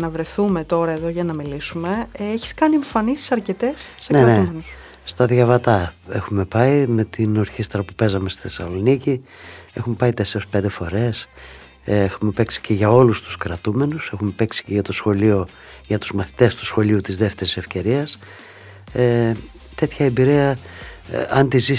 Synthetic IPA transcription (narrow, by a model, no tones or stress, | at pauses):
nɐvɾe̞θume̞t̪o̞ɾɐe̞ðo̞ʝɐnɐmilisume̞eçi̥skɐnieɱfɐnisi̥sɐɾce̞t̪e̞sːeneneumenus | st̪ɐðʝɐvɐt̪ɐe̞xume̞pɐime̞t̪ino̞ɾçist̪ɾɐpupe̞zɐme̞st̪i̥θesɐlo̞nicie̞xume̞pɐit̪e̞se̞ɾespe̞nd̪e̞fo̞ɾe̞s | exume̞pe̞ksi̥ceʝɐo̞lust̪u̥skɾɐt̪ume̞nuse̞xume̞peksi̥ceʝɐt̪o̞sxo̞lio̞ | ʝɐt̪uzmɐθi̥t̪e̞st̪u̥sxo̞liut̪izðeft̪e̞ɾisefce̞ɾiɐs | e | t̪e̞t̪çɐebiɾiɐ | ɐnt̪izi